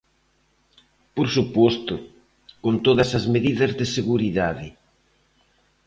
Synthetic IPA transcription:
poɾsupost̪ʊ | kont̪oðɐsɐzmeðiðɐzðɪseɣuɾiðaðɪ

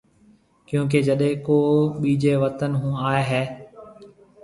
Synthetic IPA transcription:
kjũːk̬eːd͡ʒəɗẽːkoːɓiːd͡ʒeːʋət̪ənɦũːaːeːɦɛː

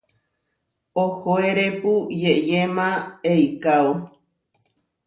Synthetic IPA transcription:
ohoeɾepujejemãejkao

